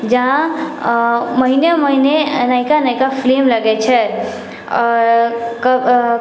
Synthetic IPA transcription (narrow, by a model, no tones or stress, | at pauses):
d͡ʒaɦã | məɦineməɦinenajkanaɪkapʰlemləɡɛt͡ʃʰɛ | ɔːɾkəb